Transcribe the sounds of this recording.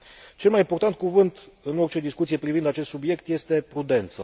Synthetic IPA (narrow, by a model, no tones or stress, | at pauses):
t͡ʃe̞lmajimpo̞rt̪ant̪̚kuvɨnt̪ɨno̞rt͡ʃe̞d̪iskut̪sijepɾivind̪at͡ʃest̪subje̞kt̪je̞st̪e̞pɾud̪e̞nt̪sə